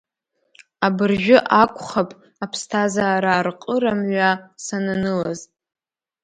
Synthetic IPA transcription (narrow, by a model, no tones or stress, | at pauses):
abɨrʒᶣʊʔakʷʰʼχapʼ | apʰstʰazaːɾaːrqʼəɾamɥasananɨlaz